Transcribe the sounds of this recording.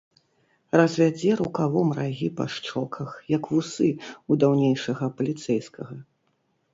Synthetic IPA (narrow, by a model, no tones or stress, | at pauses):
rɐzvʲad͡zʲɛɾukavɔmraɣʲipɐ̰ʂt͡ʂɔkʰɐxjɐkvusɨud̪awnʲejʂɐɣɐpɐlʲit̪sɛjskɐɣɐ